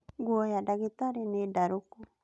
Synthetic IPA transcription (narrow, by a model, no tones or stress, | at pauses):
ɡuojadaɡet̪aɾenedaɾuku